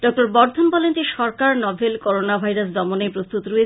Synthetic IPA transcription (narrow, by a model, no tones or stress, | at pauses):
ɖɔk̚ʈoɾbɔɾd̪ʱombɔlent̪iʃɔɾkaɾnɔbʱelkoɾonabʱajɾas̬d̪ɔmonepɾost̪ut̪ɾue